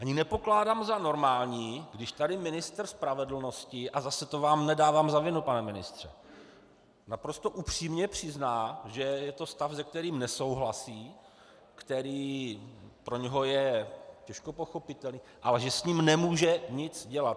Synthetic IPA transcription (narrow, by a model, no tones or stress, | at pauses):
ʔaɲɪnɛpo̞klaːdaːmzano̞ɾmaːlɲiːɡdɪʃt̪adɪmɪnɪst̪rspɾavɛdl̩no̞scɪʔazasɛt̪o̞vaːmnɛdaːvaːmzavɪnupanɛmɪnɪst̪r̝̥ɛ̰ | napɾo̞st̪o̞ʔupr̝̥iːmɲɛpr̝̥ɪznaːʒɛjɛt̪o̞st̪afzɛk̚t̪ɛɾiːmnɛso̞wɦlasiː | kt̪ɛɾiː | pɾo̞ɲɛɦo̞jɛcɛʃko̞po̞xo̞pɪt̪ɛlniːʔa̰lɛʒɛsɲiːmnɛmuːʒɛɲɪt͡sɟɛlat̪